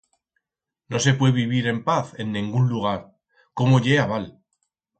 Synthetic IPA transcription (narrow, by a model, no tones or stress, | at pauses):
no̞s̬e̞pwe̞βiβ̞iɾe̞mpaθe̞nːĩŋɡunluɣ̞aɾ | ko̞mo̞ʎe̞aβal